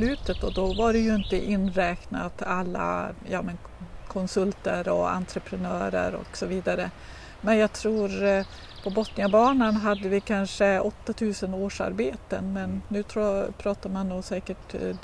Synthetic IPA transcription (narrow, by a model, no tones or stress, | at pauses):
lʉ̟ːt̪ət̪ɔd̪ɔvaɖɛjɵɪnt̪əʔɪnːɾɛːkna̰t̪alːa̰jɑːmən | kʰɔnsɵlt̪əɾɔ̰a̰nt̪ʰɾəpʰɾɛnœːɾə̰ɾɔ̰ksɔviːd̪aɾə | mɛnjɑːɡ̚t̪ʰɾuːɾ | pʰɔbɔt̪nɪabɑːɳanɦad̪ːəvɪkʰanʂəɔt̪ːat̪ʰʉ̟ːsənoːʂa̰ɾbeːt̪ə̰nmɛnːʉ̟ːt̪ʰpʰɾɑːt̪aɾmanːuːsɛːkəʈ